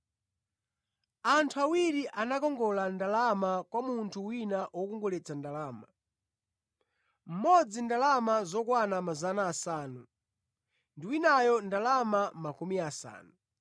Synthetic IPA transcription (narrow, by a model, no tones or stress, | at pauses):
antʰuawiɾiʔanakɔŋɡɔlandalamakwamuntʰuwinaʔwɔkɔŋɡɔlɛt͡sandalaːma | m̩mɔd͡zindalamazɔkwanamazanaːsaːnu | ndiwinajɔndalamamakumiasa̰ːnu